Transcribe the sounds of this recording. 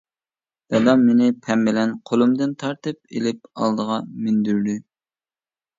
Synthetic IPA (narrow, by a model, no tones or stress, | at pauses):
d̥ɛd̪ɑmenɪpʰɛmːɪlɛnqʰolˠumd̪ɨnt̪ʰɑɾt̪ɨp̚ḛlɪp̚ɑ̰lˠd̪əʁɑmynd̪yɾd̪y